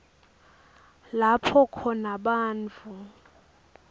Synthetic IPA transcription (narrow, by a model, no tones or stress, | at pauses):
lapʰɔkʰɔnaɓaːnt͡fʰu